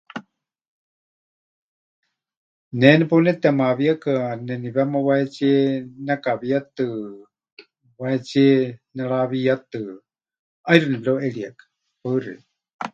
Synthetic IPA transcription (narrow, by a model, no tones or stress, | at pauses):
nɛnɛponɛt̪ɛmaβiakanɛniβɛmaβaɛt͡ʃiɛnakaβiat̪ɨ | waɛt͡ʃiɛnɛɺaβiat̪ɨ | ajɾunɛbloʔeɺiakḁ | paɨɾḭ